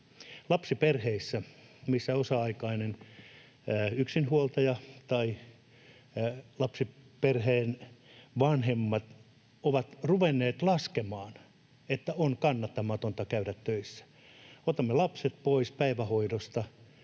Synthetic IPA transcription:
lɑpsiperheisːæmisːæosɑɑikɑinenː | yksinhuolt̪ɑjɑt̪ɑi | lɑpsiperheːnʋɑnhemːɑt̪ | oʋɑt̪ruʋenːeːt̪lɑskemɑːn | et̪ːæonkɑnːɑt̪ːɑmɑt̪ont̪ɑkæyɾæt̪tøisːæ̥ | ot̪ɑmːelɑpset̪̚poispæiʋæhoidost̪ɑ

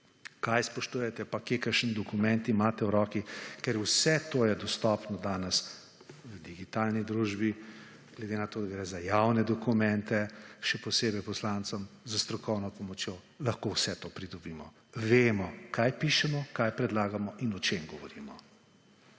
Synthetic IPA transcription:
kajspɔʃt̪uːjɛt̪ɛpakekəɾʃnd̪ɔkumɛnt̪imat̪ɛwɾɔːkikɛɾuwsɛt̪oːjɛd̪ɔst̪ɔːpnɔd̪aːnɛs | wəd̪iɡit̪aːlnid̪ɾuːʒbi | ɡ̥lɛd̪enat̪oːd̪aɡɾɛːzajawnɛd̪ɔkumɛnt̪ɛʃɛpɔseːbɛjpɔslant̪sɔmzəst̪ɾɔkɔwnɔpɔmɔt͡ʃjoː | lɐxkowsɛt̪oːpɾid̪ɔbiːmɔ | ʋeːmɔkʰajpiʃɛmɔkajpɾɛd̪laːɡamɔʔinɔt͡ʃemɡɔʋɔɾiːmɔ

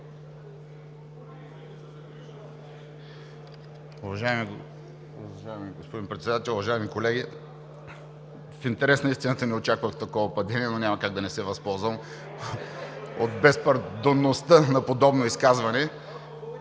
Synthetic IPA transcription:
ʊvɐʒaɛmi | ʒaɛmiɡospod̪inpɾɛt̪sɛd̪at̪ɛlˠʊvɐʒaɛmikolɛɡʲi | fint̪ɛɾɛsnɐist̪inət̪ənɛot͡ʃakvəxt̪ɐkɔvəpɐd̪ɛniɛnonʲamɐkaɡ̚d̪ɐnɛsɛvɐspɔlˠzvɐm | ot̪̚bɛspɐɾd̪onːost̪ənɐpod̪ɔbnoiskazvɐnɛ

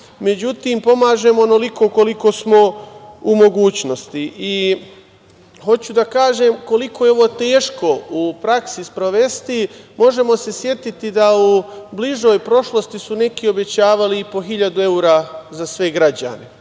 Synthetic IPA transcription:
me̞d͡ʑut̪iːmpo̞maːʒe̞moonoliko̞ko̞liko̞ːsmo̞umo̞ɡuːt͡ɕno̞st̪iʔi | xo̞t͡ɕud̪akaːʒe̞mko̞liko̞ːjeo̞ʋo̞ːt̪eːʃko̞upɾaksispɾo̞ʋe̞st̪imo̞ʒe̞mo̞se̞sje̞t̪it̪id̪aubliʒo̞ːjpɾo̞ʃlo̞st̪isune̞kio̞be̞t͡ɕaːʋaliipo̞ɦiʎad̪ue̞uɾazasʋe̞ɡɾad͡ʑa̰ne̞

